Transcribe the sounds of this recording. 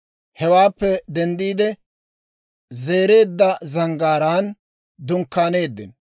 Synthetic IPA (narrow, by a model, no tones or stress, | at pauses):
hɛwaːpːɛd̪ɛnd̪iːd̪ɛ | ze̞ːɾe̞ːd̪ːɐzɐŋɡaːɾaːn | d̪ʊŋkːaːne̞ːd̪ːɪ̰n